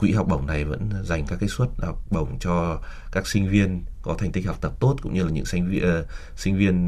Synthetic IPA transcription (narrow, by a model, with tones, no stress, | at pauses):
kwḭ˧˥ɦa˨˩wk͡p̚ɓə˨˩wŋ͡mna˨˩jvə̰˧˥nza˨˩jŋ̟kaː˦˥kːaː˨˦jswə˦˥t̚ha˨˩wk͡p̚ɓə˨˩wŋ͡mt͡ɕɔ˧ | kaː˦˥k̚sï˧ŋ̟vi˧ənkɔ˨˦a˨˩ŋ̟t̪i̟˦˥ha˨˩wk͡p̚t̪ə˨˩p̚t̪o˦˥t̚kʊ̰˧˥ŋ͡mɲɨ˧laː˨˩ɲɨ̰˧˥ŋsi˧ŋ | sï˧ŋ̟vi˧ən